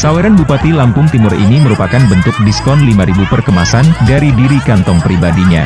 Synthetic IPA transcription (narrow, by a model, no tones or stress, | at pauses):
sawɛɾanbupat̪ilampʊŋt̪imʊrḭniməɾupakanbənt̪ʊk̚diskɔnlimaɾibupərkəmasandaɾidiɾikant̪ɔŋpɾibadiɲa̰